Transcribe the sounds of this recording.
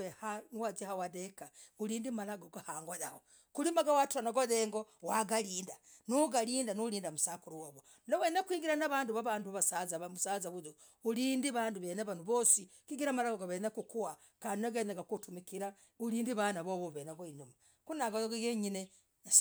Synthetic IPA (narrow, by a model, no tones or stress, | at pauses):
ehaniwazahawadekauliːndimalaɡoɡahaːŋɡoðaho | kulimaɡawatanaɡoðeːŋɡowaɡaliːnda | nuɡaliːndanuliːndamusakuɾuwoβo | nowenakwiːŋɡiɾanaβaːnduβaβaːnduβasazamusaːzaβuzo | uliːndiβaːnduβenaβanuβoːsikiɡiɾamalaɡoɡoβenakukuwa | kaːndinaɡanaɡakotumikiɾa | uliːndiβanaβoβoβenaɡoinuma | kunaɡooɡeɡeɲine | a